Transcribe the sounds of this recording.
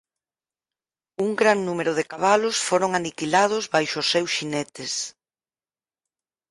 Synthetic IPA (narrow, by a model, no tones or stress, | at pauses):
uŋɡɾaŋnumeɾʊðekaβ̞alʊsfoɾoŋanikilað̞ʊzβajʃʊːsewsʃinɛt̪ɪs